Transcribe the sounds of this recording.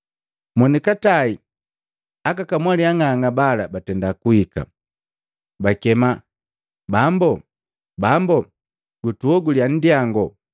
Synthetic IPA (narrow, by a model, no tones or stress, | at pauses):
mɔnikatai | akakamwaliaŋaŋabalabatɛndakuhika̰ | bakɛma | bambɔ | bambɔ | ɡutuɔɡulian̩diaŋɡɔ